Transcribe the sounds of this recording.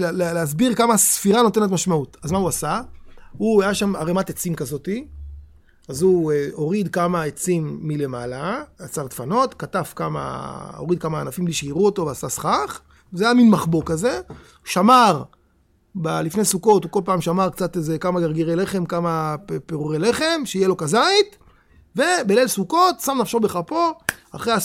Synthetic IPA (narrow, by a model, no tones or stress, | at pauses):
lleleas̬biʁkamasfiʁano̞te̞ne̞t̪̬maʃmautazmauasahuajaʃamaʁemat̪et͡simkazo̞ti | azueoʁid̪kamaet͡simːile̞malaat͡saʁt̪fano̞t̪katafkama̰oʁid̚kamaːnafimbliʃeiʁuoto̞veasasχaχ | zajaminmaχbo̞kaze̞ | ʃamaʁ | balifnesuko̞tuko̞lpaːmʃamaʁkt͡satezekamaɡaʁɡiʁele̞χe̞mkamapeʁuʁele̞χe̞mʃeijelo̞kazait̪ | ve̞belelsuko̞t̪samnafʃobeχapo̞a̰χʁea